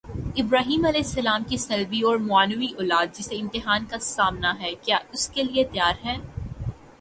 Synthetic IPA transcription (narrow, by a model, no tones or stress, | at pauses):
ɪbɾaːɦiːmɐlɛːɪsːɐlaːmkisɐlbiɔːɾmʊaːnuwiʔɔːlaːd̪̚d͡ʒɪseɪ̃mt̪ɪɦaːnkasaːmnaɦɛːkjaːʊskeliet̪jaːɾɦɛ̃ː